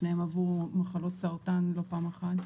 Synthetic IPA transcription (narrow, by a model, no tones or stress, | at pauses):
nehemavuʁmaχalo̞tsaʁtanlo̞paːmaχat